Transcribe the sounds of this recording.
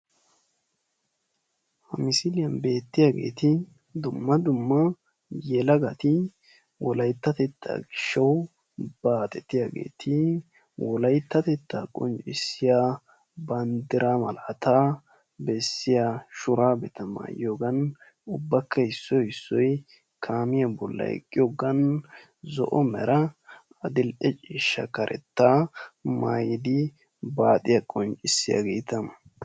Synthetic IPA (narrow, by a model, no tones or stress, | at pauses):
hɐmɪsɪlɪjɐnbe̞ːt̪ːɪjaɡe̞̰ːt̪ɪ | d̪ʊmːɐd̪ʊmːɐ | jɛlɐɡɐt̪ɪ | wɔlɐjt̪ːɐt̪ɛt̪ʰːa̰ːɡɪʃːɐw | b̥aːt̪ʼɛt̪ɪjaɡe̞̰ːt̪ʰɪ | wɔlɐjt̪ːɐt̪ɛt̪ːaːkʼɔ̰nt͡ʃʼɪsːɪjaː | bɐnd̪ɪɾaːmɐlɐːt̪aː | bɛsːɪjaʃʊɾaːbɛt̪ɐma̰ːjoːɡɐn | ʊbːɐkʰːɐɪsːɔjɪsːɔj | kʰaːmɪjabɔlːɐ̰jɛ̰kʼːɪjoːɡɐn | zɔ̰ʔɔmɛɾɐ | ɐd̪ɪlʔɛt͡ʃʼiːʃːɐkɐɾʔɛ̰t̪ːamaːjɪd̪ɪ | baːt̪ʼɪjakʼɔnt͡ʃʼɪsːɪja̰ɡe̞̰ːt̪ɐ